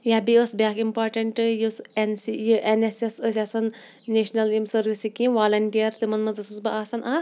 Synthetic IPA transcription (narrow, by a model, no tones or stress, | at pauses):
jabiəsbʲaːkimpaːɾʈɐɳʈɨjisensijiʔenesesəsʲasɐnː | eʃnɐlimsəɾʋisikimʋaːlɐɳʈijɐɾt̪ɨmɐnmɐnzɐsusbɐʔaːsɐna